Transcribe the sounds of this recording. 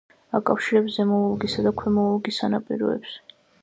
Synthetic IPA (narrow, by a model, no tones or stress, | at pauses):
akʼafʃiɾɛpzɛmɔulˠɡisad̪akʰwɛmɔulˠɡisanapʼiɾɔ̰ɛps